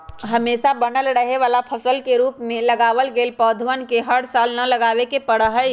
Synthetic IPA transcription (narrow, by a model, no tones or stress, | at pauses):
ɦɐmeːsabɐnəlɾɐɦeʋaːlapʰɐsəlkeɾuːpmẽlɐɡaːʋəlɡeːlpɔːd̪ʱʋənkeɦɐɽsaːlnɐlɐɡaːʋekepɐɽəɦə